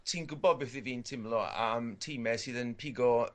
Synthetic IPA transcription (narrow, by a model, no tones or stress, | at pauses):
tʰiːnɡʊbɔdbɛθðɪviːntʰɪmlˠɔa̰mtʰimɛsɨːðənpʰɪɡɔ